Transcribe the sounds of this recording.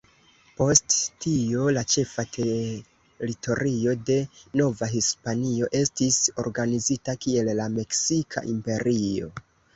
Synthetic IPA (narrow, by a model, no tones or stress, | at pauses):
po̞sttiolat͡ʃe̞fatʰe | ɾitʰo̞ɾio̞de̞no̞vaɦispanio̞ʔe̞stiso̞̰ɾɡanizitakie̞lːame̞ksikʰa̰ʔimpe̞ɾʔio̞̰